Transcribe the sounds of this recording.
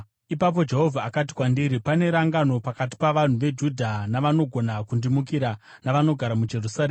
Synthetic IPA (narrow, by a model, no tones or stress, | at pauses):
ipap̬o̞d͡ʒe̞ɦo̞vʱaːkati̥kwandiɾipane̞ɾaŋɡano̞pakat̬i̥paʋan̤uʋe̞d͡ʒudʱanaʋano̞ɡʱo̞nakundimukiɾa | naʋano̞ɡʱaɾamud͡ʒe̞rusareːma